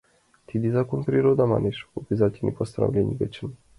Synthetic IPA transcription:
t̪ʰid̪izakonpɾiɾod̪ama̰nɛʃopizat̪ʲinʲḭpost̪aɾa̰vlʲɛnʲivɛt͡ʃin

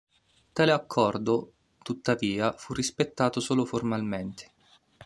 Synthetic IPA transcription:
t̪aːleakʰːɔrd̪o | t̪ut̪ːaviːafurːispet̪ːaːt̪osoːloformalment̪e̥

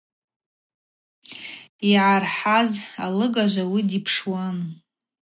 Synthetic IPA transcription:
iʕarħazalɨɡaʒʷawidipʰʂwan

